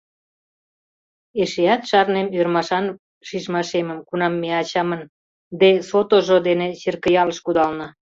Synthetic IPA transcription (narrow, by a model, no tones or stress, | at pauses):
eʃeɑt̪ʃɑrnemørmɑʃɑn | ʃiʒmɑʃeməmkunɑmːeɑt͡ɕɑmən | d̪esot̪oʒod̪enet͡ɕerkə̆jɑləʃkud̪ɑlnə